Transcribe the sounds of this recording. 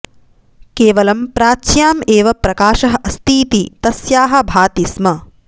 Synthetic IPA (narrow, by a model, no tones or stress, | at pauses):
keːʋɐlɐmpɾaːʃjaːmeːʋɐpɾɐkaːʃɐɦɐʔɐst̪iːt̪it̪ɐsjaːɦɐ̆bʱaːt̪ismɐ